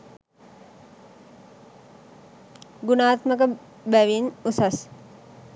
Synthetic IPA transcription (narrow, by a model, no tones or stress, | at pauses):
ɡunaːt̪məkə | bæʋinusas